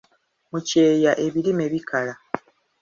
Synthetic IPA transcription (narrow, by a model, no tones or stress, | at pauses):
muce̞ːjaʔe̞βilime̞βikʰala